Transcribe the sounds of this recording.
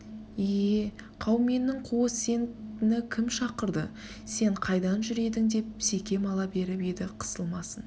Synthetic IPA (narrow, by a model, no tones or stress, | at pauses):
e | qʰɑwme̞nːɪŋqʰuwəse̞ŋnɪkʲʰɪmʃɑqəɾd̪ə | se̞ɴqʰɑjd̪ɑnʒʏɾe̞d̪ɪŋd̪e̞p̚se̞kʲe̞mɑlˠɑbe̞ɾɪped̪ɪqʰə̥səlˠmɑsən